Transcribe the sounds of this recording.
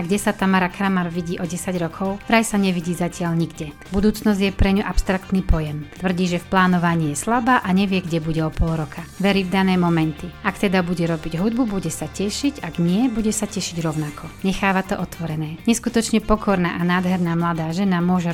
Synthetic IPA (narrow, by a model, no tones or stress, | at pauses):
aɡɟɛsat̪amaɾakɾamaɾʋiɟiːʔɔɟɛsaɟɾɔkʰɔʊʋɾajsaɲɛʋiɟiːzacɪaʎɲiɡɟɛ | bud̪uːt͡snɔzɟjɛpɾɛɲuʔapst̪ɾakt̪niːpɔjɛmt̪ʋr̩ɟiːʒɛfplaːnɔʋaɲiːjɛslabaːʔaɲɛʋɪɛɡɟɛbuɟɛɔpɔlˠɾɔkʰaʋɛɾiːvd̪anɛːmɔmɛnt̪iakt̪ɛd̪abuɟɛɾɔbiɟɦud̪̚bubuɟɛsacɛʃiɟaɡɲɪɛbuɟɛsacɛʃiɟɾɔʊnakʰɔɲɛxaːʋat̪ɔʔɔt̪ʋɔɾɛnɛːɲɛskut̪ɔt͡ʃɲɛpɔkʰɔɾna̰ːʔanaːd̪ɦɛɾnaːmlad̪aːʒɛnamʊɔʒɛ